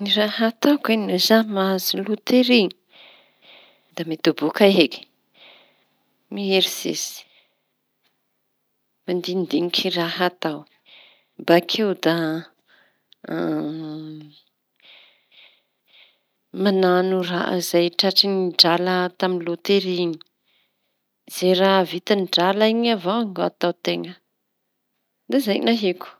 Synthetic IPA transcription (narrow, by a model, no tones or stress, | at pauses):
nirahat̪awkanuzamazilut̪eɾiɲ | d̪amet̪ubukaɦeki̥ | mieɾisḛzi̥ | mand̪ind̪iŋikʰiraɦat̪aw | bakʰewd̪a | mananuraʔa̰zajʈ͡ʂaʈ͡ʂiniɖ͡ʐalət̪aminlot̪eɾiɲi̥ | z̥eɾavit̪anɖ͡ʐalaiɲavaaŋoat̪awt̪eŋə | d̪azajnaɦiku̥